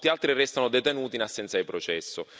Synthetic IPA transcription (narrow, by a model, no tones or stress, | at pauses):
t̪ialt̪ɾirɛst̪anod̪et̪enuːt̪inasːɛnt̪sad̪ipɾot͡ʃɛsːʊ